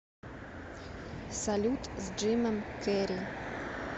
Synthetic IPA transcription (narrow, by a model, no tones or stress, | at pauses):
salʲut̪zd͡ʒɪmɛmkɛɾʲi